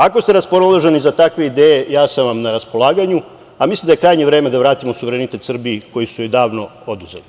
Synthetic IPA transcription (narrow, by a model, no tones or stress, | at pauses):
ako̞st̪e̞ɾaspolloʒe̞nizat̪akʋe̞id̪eːje̞jaːsaʋamnaɾaspo̞lˠaːɡaɲu | amislimd̪ajkɾaːjɲeʋɾe̞ːme̞d̪aʋɾaːt̪imosuʋeɾenit̪e̞t̪sr̩bieko̞jisujojd̪aːʋno̞o̞d̪uze̞̰li